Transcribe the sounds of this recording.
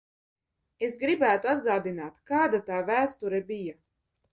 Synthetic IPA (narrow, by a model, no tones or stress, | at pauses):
esɡɾibæːt̪uad̪ɡaːd̪inaːt̪kaːd̪at̪aːvæːst̪uɾɛbija